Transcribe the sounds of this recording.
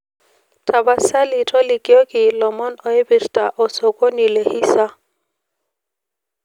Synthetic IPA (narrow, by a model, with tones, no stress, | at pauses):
tʰa˨ba˦˨sa˦li˨tʰɔ˦li˨kɪ˦ɔ˦kɪ˨lɔ˨mɔ˦nɔ˨e˦bi˨rta˨ʔɔ˨sɔ˨ko˦ni˨le˨hi˦sa˦